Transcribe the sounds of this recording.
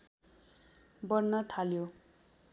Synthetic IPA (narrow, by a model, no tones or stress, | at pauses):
bʌrnʌt̪ʰaljo